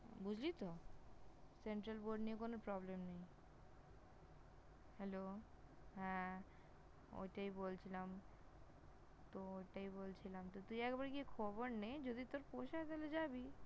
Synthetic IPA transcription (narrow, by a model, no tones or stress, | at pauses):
bud͡ʑʱlit̪o | seɳʈɾalboɾɖniekonoɾpɾɔblemnej | hɛlo | ɦɛ̃ | o̰jʈajbolt͡ɕʰilam | t̪oojʈaibolt͡ɕʰilamt̪ot̪umiɛkbaɾkiekʰɔboɾnejd͡ʑod̪ʱit̪oɾpoʃaet̪eled͡ʑabi